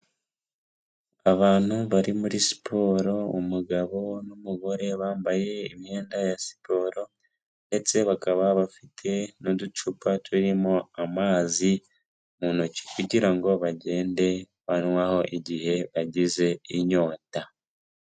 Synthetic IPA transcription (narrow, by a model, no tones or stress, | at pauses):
aβaːn̥huβaɾimuɾisi̥pʰo̞ːɾo̞umuɡaβo̞numuβo̞ɾe̞βaːmbaje̞imhe̞ːndajasi̥po̞ːɾo̞ | nde̞t͡se̞βakaβaβafitʰe̞nodut͡ʃupatuɾimoamaːzi | muːnuci̥kuɟiɾaŋɡo̞βaɟe̞ːnde̞ | βanwaːho̞ʔiɟihe̞βaɟize̞iɲo̞ːta